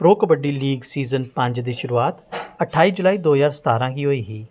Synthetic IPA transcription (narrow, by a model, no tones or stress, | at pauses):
pɾoːkbəɖiliːɡsiːzənpə̃ɲd͡ʒd̪iːʃʊɾuaːt̪ɐʈʰaːid͡ʒʊlaːiːd̪oːzaːɾsə̥t̪aːɾãːkiːɦoːiːɦiː